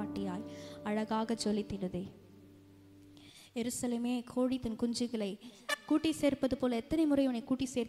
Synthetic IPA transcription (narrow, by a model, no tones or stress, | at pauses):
aːʈːɪjaːlɐɻɐɣaːɣɐd͡ʒɔlːɪt̪ːɪɽɯðɐː | jɛɾɯsɐleːmeːkʰoːɻit̪ːɐnkʊɲd͡ʒɯɣɐɭɐɪkuːʈːiseːrpɐðɯpoːlɐɛt̪ːɐnɐɪmʊrɐɪɯnɐɪkuːʈːiseːɾ